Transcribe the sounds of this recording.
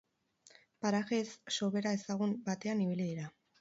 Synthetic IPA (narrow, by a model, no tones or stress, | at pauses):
paɾaɣe̞sːo̞βe̞ɾae̞saɣ̞umbat̪e̞aniβiliðiɾa